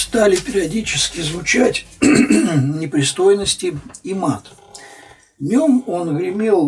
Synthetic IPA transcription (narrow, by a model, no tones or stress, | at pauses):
st̪alʲɪpʲɪɾʲɪɐdʲit͡ɕɪskʲɪzvʊt͡ɕætʲ | nʲɪpɾʲɪst̪o̞jɪnəsʲtʲɪimat̪ | vnʲomonɣɾʲɪmʲelˠ